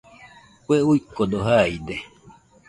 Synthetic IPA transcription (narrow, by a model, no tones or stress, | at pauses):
kʷeujkod̪oɦajd̪e